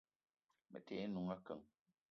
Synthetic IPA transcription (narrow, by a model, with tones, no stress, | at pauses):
mə̰˨tʰɛː˨˦nu˨ŋa˦kə˨ŋ